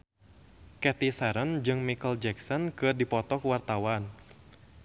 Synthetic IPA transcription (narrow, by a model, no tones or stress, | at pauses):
kɛt̪isaɾənd͡ʒɨŋmikəld͡ʒɛksɔnkɨrdipɔt̪ɔkuwart̪awan